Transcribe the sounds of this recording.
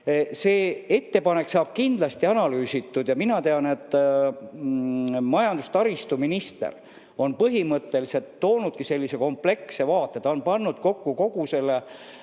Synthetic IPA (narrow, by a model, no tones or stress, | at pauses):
se̞ːe̞t̪ːe̞pɑne̞ksɑːb̥̚kind̪̥lɑst̪iɑnɑlyːsit̪ːud̪̥jɑminɑt̪e̞ɑne̞t̪ːˑ | mɑjɑnd̪ust̪ɑɾist̪uminist̪ḛr | o̞npɤɦimɤt̪ːe̞lise̞lt̪ːo̞ːnud̪̥̚kise̞lʲːise̞ko̞mple̞kse̞vɑːt̪ːˑet̪ɑonpɑnːud̪̥̚ko̞kːuko̞ɡuse̞lːe